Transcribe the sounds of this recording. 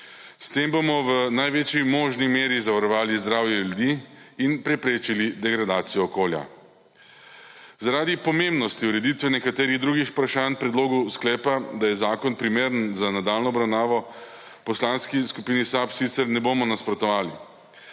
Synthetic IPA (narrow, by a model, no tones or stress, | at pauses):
st̪eːmbomɔʋənajʋeːt͡ʃimoːʒnimeːɾizaʋaɾɔʋaːlizd̪ɾaːwjɛljud̪iːinpɾɛpɾeːt͡ʃilid̪ɛɡɾad̪aːt̪sijɔːkoːlja̰ | zaɾad̪ipɔmembnɔst̪iuɾɛd̪it̪ʋɛnɛkat̪eːɾiɣd̪ɾuːɡixpɾaʃaːnpɾɛd̪loːɡɔwsklɛːpad̪ajɛzaːkɔnpɾimeːɾənzanad̪aːlnɔːbɾawnaːʋɔ | pɔslanskiskupiːnisapsit̪sɛɾnɛboːmɔnaspɾɔt̪ɔʋaːli